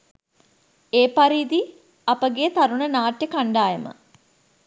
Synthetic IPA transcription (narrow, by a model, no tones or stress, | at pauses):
eːpaɾiːd̪i | apəɡeːt̪aɾuɳənaːʈjəkaɳɖaːjəmə̰